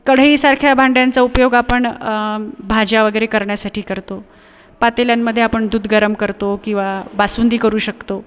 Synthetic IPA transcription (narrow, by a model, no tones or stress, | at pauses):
kəɽ̤ɦiːsaɾkʰjabʱaɳɖjant͡saupjoɡapəɳ | bʱad͡ʑjaʋəɡəjɾekəɾɳjasaʈʰiːkəɾt̪o | pat̪eljamːəd̪ʱːjeapəɳd̪uːd̪ʱɡəɾəmkəɾt̪okĩw̃ʋabasund̪iːkəɾuːɕəkt̪o